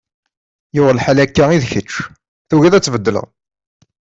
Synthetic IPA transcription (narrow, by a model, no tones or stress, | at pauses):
jʊʁlħælækːaiðçət͡ʃː | θuɣiðæt͡sːvəd̪ːələ̰ʁ